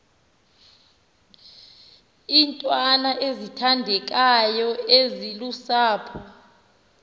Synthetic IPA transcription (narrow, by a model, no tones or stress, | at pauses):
intʼwanaʔezitʰandʱɛk̬ʼajɔezilusaːpʰɔ